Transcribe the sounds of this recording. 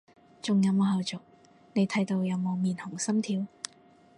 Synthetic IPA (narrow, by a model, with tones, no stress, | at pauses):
t͡sʊ˨ŋjɐ˨˧wmoː˨˧ɦɐ˨˧wt͡sʊ˨k̚ | ne˨˧jt̪ʰɐ˨˧˥jt̪o˧wjɐ˨˧wmoː˨˧wmiː˨nhʊ˨˩ŋsɐ˥mt̪ʰiː˧w